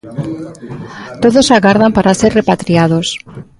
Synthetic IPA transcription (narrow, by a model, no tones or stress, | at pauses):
t̪oðosaɣaɾðampaɾaseɾrepat̪ɾiað̞os